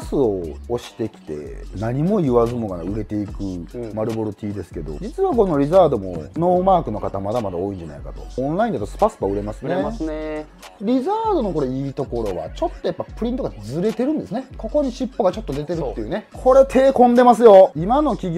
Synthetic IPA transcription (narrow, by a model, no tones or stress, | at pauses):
sɨoːɕi̥t̪e̞kʲi̥t̪e̞̰naɲ̟imo̞ɯβazɨmoɡaɾa̰ɯ̟ɾe̞t̪e̞ikɯ̟maɾɯ̟bo̞ɾot̪ʲiːd̪e̞sɨ̥ke̞d̪o̞̰d͡ʑit͡sɨβako̞no̞ɾʲizaːd̪o̞mo̞̰no̞ːmaːkɯ̟no̞kat̪amad̪amad̪ao̞ːĩɲ̟d͡ʑana̰ikat̪o̞̰õnɾaĩd̪at̪ːosɨ̥pasɨ̥paɯ̟ɾe̞masɨne | ɾʲizaːd̪o̞no̞ko̞ɾoiːt̪o̞ko̞ɾo̞βa̰t͡ɕo̞t̪ːo̞japːapɯ̟ɾʲĩt̪oɡad͡zɨɾe̞t̪e̞ɾɯ̟̃nd̪e̞sɨneko̞ko̞ɲ̟iɕipːo̞ɡat͡ɕo̞t̪ːo̞d̪e̞t̪e̞ɾɯt̪ːeiɯ̟ːne̞kʰo̞ɾe̞t̪ʰe̞ːkõ̞nd̪e̞mas̬ɨjo̞imano̞kʲiɡʲ